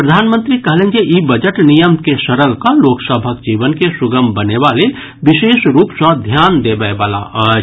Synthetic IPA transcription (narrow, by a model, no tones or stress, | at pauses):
pɾəd̪ʱaːnmənt̪ɾikəɦlẽnd͡ʒeʔibəd͡ʒəʈnijəmkeʃəɾəlkaloːksəbʱək̚d͡ʒiːʋənkesuɡəmbənebale | biseːsɾuːpsə̃d̪ʱjaːnd̪ebaebala̰ʔə